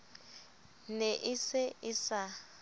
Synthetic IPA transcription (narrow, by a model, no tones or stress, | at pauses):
neʔɪsɪɪsa